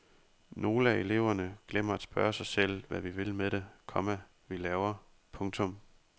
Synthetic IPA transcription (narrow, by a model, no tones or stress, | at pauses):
no̝ːləæe̝le̝ʊ̰ɐnəɡ̥lem̰ɐæd̥sb̥ɶːɐsɑ̈ɪsel̰ʋæʋiʋe̝lmeɾ̥ekʰɒ̽mæ | ʋilɛːʊɐ | pʰɔ̽ŋt͡sʰɔ̽m